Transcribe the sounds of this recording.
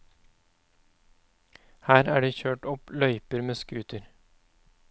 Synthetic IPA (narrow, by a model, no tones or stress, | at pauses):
hæːɾæːɖeːçøːʈɔplœʏpəɾmeːskʉːt̪əɾ